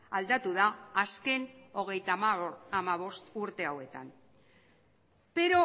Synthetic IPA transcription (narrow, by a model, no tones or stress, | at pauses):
ald̪at̪uðaːske̞no̞ɣ̞e̞jt̪aamaβ̞o̞st̪uɾt̪e̞awe̞t̪a̰n | pe̞ɾo̞